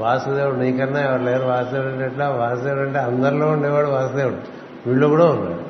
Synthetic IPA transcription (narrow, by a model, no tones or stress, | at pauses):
ʋaːsɐd̪eːʋuɽniːkɐnːaɛʋɐɾlɛɾuʋaːsɐd̪eʋɽɐɳʈɐʈlaːʋaːsɐd̪eːʋɽɐɳʈeːɐnd̪ɐɾuloːuɳɖeːʋaːɭuʋaːsɐd̪eːʋuɽu | ʋiːɭːokuːɽaunːa̰ːɽu